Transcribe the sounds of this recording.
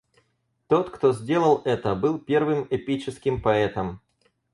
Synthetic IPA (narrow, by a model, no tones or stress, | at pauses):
t̪o̞t̪kt̪ozʲdʲe̞lˠəlˠɛt̪əbɨlˠpʲe̞rvɨmɛpʲit͡ɕɪskʲɪmpɐɛt̪əm